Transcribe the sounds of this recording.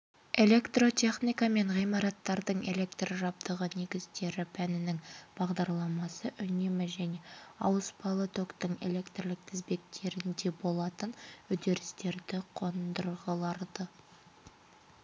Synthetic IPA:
e̞lʲe̞kt̪ro̞t̪ʲʰe̞χnijkɑme̞ɴʁijmɑɾɑt̪ːɑɾd̪əɴe̞lʲe̞kt̪rʒɑp̚t̪əʁəne̞ɡʲɪzt̪e̞ɾɪpʰænɪnɪŋb̥ɑʁd̪ɑɾlˠɑmɑsəʔʏne̞mɪʒæne̞ɑ̰wəspɑlˠət̪ʰo̞kt̪əɴḛle̞kt̪rlɪk̚t̪ʰɪzbe̞k̚t̪ʰe̞ɾɪnd̪e̞bo̞lˠɑt̪ənʏd̪e̞ɾɪst̪e̞ɾd̪ɪqʰo̞nd̪əɾʁəlˠɑɾd̪ə

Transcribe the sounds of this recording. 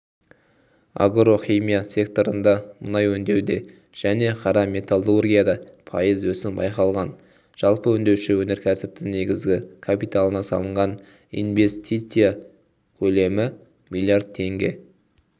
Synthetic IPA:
a̰ɡɾo̞χimijasʲe̞kt̪o̞ɾənd̪ɑmʊnɑjwɵnd̪e̞wd̪e̞ | ʒ̥æne̞qʰɑɾɑmʲe̞t̪ʰalˠurɡʲijad̪ɑpʰɑ̰jəzwɵsɪnbɑ̰jqɑlˠʁɑn | ʒ̥ɑlˠpəɵnd̪e̞wʃɪwɵne̞ɾkʲʰæsɪp̚t̪ɪŋne̞ɡʲɪzɡʲɪkʰapit̪alˠənɑsɑ̰lˠəɴʁɑn | ḭnve̞st̪it̪sɨja | kʲʰɵle̞mɪ | milʲˠiard̪̚t̪ʰːe̞ŋɡʲe̞̰

